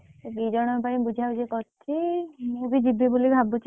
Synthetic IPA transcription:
bid͡ʒɔɽ̃ɔp̬aĩbud͡ʒʱad͡ʒekɔɾt̪ʰimũbid͡ʒibʱibulibʱabut͡ʃʰ

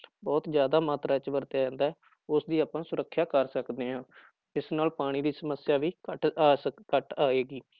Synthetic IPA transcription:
bɔːt̪d͡ʒjaːd̪aːmaːt̪ɾaːt͡ʃʋəɾt̪jaːd͡ʒãːnd̪aɛː | ʊsd̪iːaːpãːsʊɾəkʰːjaːkəɾsəkd̪eːɦãː | ɪsnaːlpaːɽ̃iːd̪iːsəməsɪjaːʋiːkəʈːkəʈaːeːɡiː

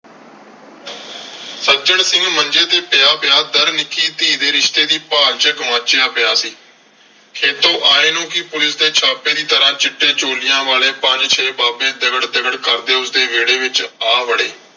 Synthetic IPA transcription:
sət͡ʃəɽsɪ̃ŋɡmənd͡ʒeːt̪eːpɪjaːpɪjaːd̪əɾnɪkːiːt̪iːd̪eːɾɪʃt̪eːd̪iːpaːlt͡ʃəkmãːt͡ʃeaːpɪjaːsiː | kʰeːt̪õːʔaːeːnũːkɪpʊlɪsd̪eːt͡ʃʰaːpeːd̪iːt̪əɾãːt͡ʃɪʈːeːt͡ʃoːlɪjãːʋaːleːpəɲd͡ʒt͡ʃʰeːbaːbẽːd̪ɪɡəɽd̪ɪɡəɽkəɾd̪eːʊsd̪eːʋeːɽeːʋɪt͡ʃaːʋəɽeː

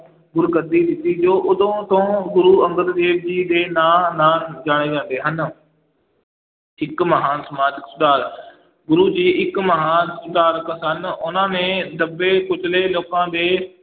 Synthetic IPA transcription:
ɡʊɾɡəd̪iːd̪ɪt̪iːd͡ʒoːʔʊd̪õːt̪õːɡʊɾuːə̃ŋɡəɾd̪eːʋd͡ʒiːd̪eːnaːaːnd͡ʒaːɽ̃eːd͡ʒãːnd̪eːɦən | ɪkməɦaːnsəmaːd͡ʒəksʊd̪aːɾ | ɡʊɾuːd͡ʒiːɪkməɦaːnsʊd̪aːɾksənʊnãːnẽːd̪əbeːkʊt͡ʃleːloːkãːd̪eː

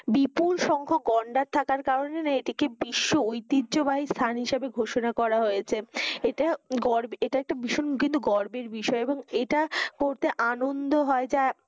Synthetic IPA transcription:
bipulʃɔŋkʰoɡɔɳɖaɾt̪ʰakaɾkaɾonenaeʈikebiʃːoojt̪idːd͡ʑobaist̪ʰanɦiʃebeɡʱoʃonakɔɾaɦojet͡ɕʰeeʈaɡɔɾbeeʈaɛk̚ʈabiʃonkint̪uɡɔɾbeɾbiʃɔeeboŋeʈakoɾt̪eʔanond̪oɦɔed͡ʑae

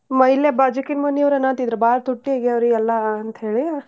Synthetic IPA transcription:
mɐilebaːd͡ʒɐkinmɐnːijɐʋɾɐnaːnt̪id̪ɾɐbaːɾt̪uʈːieɡeɐʋɾuɛlːɐɐnt̪ɦeːɭi

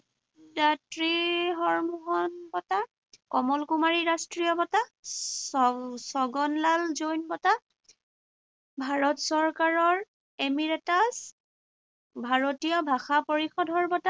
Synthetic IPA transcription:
datɹiɦɔɹmuɦɔnbɔta | kɔmɔlkumaɹiɹastɹijɔbɔta | sɔɡɔnlalzojnbɔta | bʱaɹɔtsɔɹkaɹɔɹ | emiɹɛtas | bʱaɹotijɔbʱaxapoɹixɔdʱɔɹbɔta

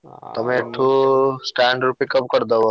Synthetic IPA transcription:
t̪ɔmeeʈʰusʈaɳɖɾupikɔmkɔɾd̪ebo

